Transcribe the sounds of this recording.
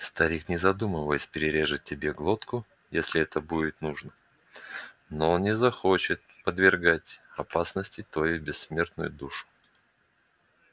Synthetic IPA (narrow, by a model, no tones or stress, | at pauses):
st̪ɐɾʲiknʲɪzɐd̪uməvəjɪsʲpʲɪɾʲɪɾʲe̞ʐɨt̚ʲːɪbʲeɡlˠot̪kʊ | jesʲlʲɪɛt̪əbudʲɪt̪nuʐnə | nonʲɪzɐxo̞t͡ɕɪt̪̚pəd̪vʲɪrɡatʲɐpasnəsʲtʲɪt̪vɐjubʲɪsːmʲe̞rt̪nʊjʊd̪uʂʊ̥